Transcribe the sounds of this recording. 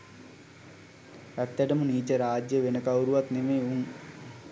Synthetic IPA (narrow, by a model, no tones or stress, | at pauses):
æt̪ːɛʈəmuniːt͡ɕəɾaːd͡ʑjəʋenəkawɾuʋat̪nemeːuŋ